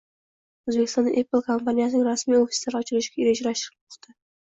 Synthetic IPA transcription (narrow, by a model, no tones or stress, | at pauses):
ɵzbekʲɪ̥st̪ɒna̰ʔepɨlˠkʰompʰanʲijasɪnɪŋɾasmijofi̥slaɾɒt͡ʃʰɪɾɪʃɪ̥ɡʲaeɾed͡ʒaɾaʃɪɾpʰʊ̥χt̪ʰa